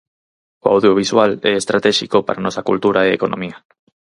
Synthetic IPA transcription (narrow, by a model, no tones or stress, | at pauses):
oa̰wðjoβ̞iswalɛest̪ɾat̪ɛʃikopa̰ɾanɔsakult̪uɾaeekonʔõ̰mia